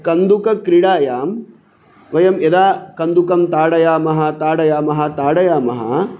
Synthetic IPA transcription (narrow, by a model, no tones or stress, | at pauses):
kɐnd̪ukɐkɾiɽaːjaːm | ʋɐjɐmjɐd̪aːkɐnd̪ukɐmt̪aːɽɐjaːmɐɦɐ̆t̪aːɽɐjaːmɐɦɐt̪aːɽɐjaːmɐɦɐ̰